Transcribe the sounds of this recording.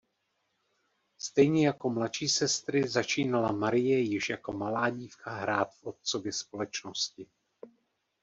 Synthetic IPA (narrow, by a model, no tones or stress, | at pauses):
st̪ɛjɲɛjako̞mlat̪ʃiːsɛst̪ɾɪzat͡ʃiːnalamaɾɪjɛjɪʃjako̞malaːɟiːfkʰaɦɾaːt̪fʔo̞t̪̚t͡sovjɛspo̞lɛt͡ʃnoscɪ